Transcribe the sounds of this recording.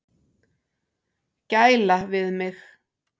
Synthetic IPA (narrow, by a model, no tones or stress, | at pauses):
cajlavɪðmɪx